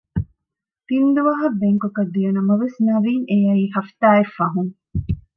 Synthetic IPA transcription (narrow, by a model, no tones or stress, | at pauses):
t̪ind̪uʋɐɦɐbeŋkokɐd̪ːijɐnɐmɐʋesnɐʋiːŋejɐiːɦɐft̪aːefːɐɦuŋ